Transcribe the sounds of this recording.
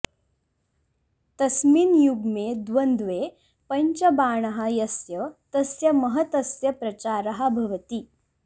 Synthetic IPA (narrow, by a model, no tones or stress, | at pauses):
t̪ɐsmiːnjuɡmed̪ʋɐnd̪ʋe | pɐɲt͡ɕɐbaːɳ̃ɐɦajɐsjɐt̪ɐsjɐmɐɦɐt̪ɐsjɐpɾɐt͡ɕaːɾɐɦabʱɐʋɐt̪i